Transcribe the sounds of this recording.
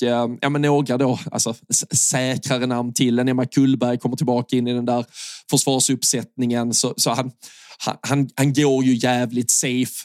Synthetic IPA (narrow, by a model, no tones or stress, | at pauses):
jʔɑ̰ːmɛnːoːɡɾad̪oa̰lsɔsɛːkɾaɾənamnt̪ʰɪld̪ɛnɛmːakʰːɵlːbæɾjkʰɔmːəʈʰɪlbɑːkaɪnːɪd̪ɛnd̪æːɾfœʂv̥ɑːʂɵpːsɛt̪nɪŋənsɔsɔhanha̰nhanhanɡoːɾjɵjæːvlɪt̪sejf